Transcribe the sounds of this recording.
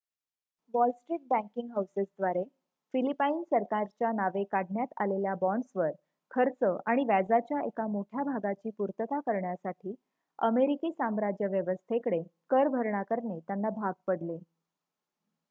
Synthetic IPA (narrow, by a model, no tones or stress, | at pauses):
ʋɔlsʈɾiːʈ̚bæ̃ŋkiŋɡɦawsəsd̪ʋaɾe | filipainsəɾkaɾt͡ɕjanaʋekaɽɳjat̪a̰leljabɔɳɖsʋəɾ | kʰəɾt͡səʔaɽ̃iʋæd͡zat͡ɕjaʔekamoʈʰjabʱaɡat͡ɕiːpuɾt̪ət̪akəɾɳjasaʈʰiː | əmeɾikiːsamɾad͡ʑjəʋjəʋəst̪ʰekəɽekəɾbʱəɾɳakəɾɳet̪janːabʱaɡ̚pəɽle